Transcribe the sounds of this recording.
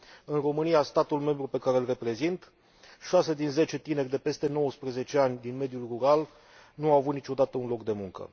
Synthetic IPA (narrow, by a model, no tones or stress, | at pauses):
ɨnro̞mɨnijast̪at̪ulme̞mbɾupe̞kaɾe̞lre̞pɾe̞zint̪ | ʃase̞d̪inze̞t͡ʃe̞t̪ine̞rʲd̪e̞pe̞st̪e̞no̞wəspɾeze̞t͡ʃe̞anʲd̪inme̞d̪julruɾal | nuawavut̪nit͡ʃo̞d̪at̪əunlo̞kd̪e̞muŋkə̰